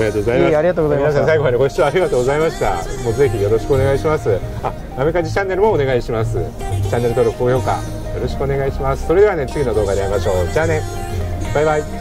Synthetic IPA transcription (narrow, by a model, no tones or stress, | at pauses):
ɾiat̪oːɡozaimaɾʲiɡat̪oːɡozaiminas̬ãsaiɡoaeko̞i̥t͡ɕiβaːɾʲiɡat̪oːɡozaimaɕi̥t̪a̰mo̞ːze̞çijo̞ɾo̞ɕi̥kɯone̞ɡaiɕimasɨa | ame̞kaʑit͡ɕãnːe̞ɾɯ̟mo̞ːne̞ɡaiɕimasɨ̰ | t͡ɕãnːe̞ɾɯt̪oːɾo̞kɯ̟ojo̞ːka̰ | jo̞ɾo̞ɕi̥kɯ̟o̞ne̞ɡaiɕimasɨ̥so̞ɾed̪e̞βane̞t͡sɨɡʲino̞d̪o̞ːkad̪e̞aimaɕo̞ːd͡ʑaːne̞ | b̥aibai